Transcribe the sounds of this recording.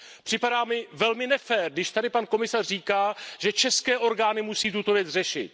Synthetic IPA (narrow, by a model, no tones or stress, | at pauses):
pr̝̥ɪpadaːmɪvɛlmɪnɛfɛːrɡdɪʃt̪adɪpanko̞mɪsarriːkaːʒɛt͡ʃɛskɛːʔo̞ɾɡaːnɪmusiːt̪ut̪o̞vjɛt͡srɛʃɪ̰t̪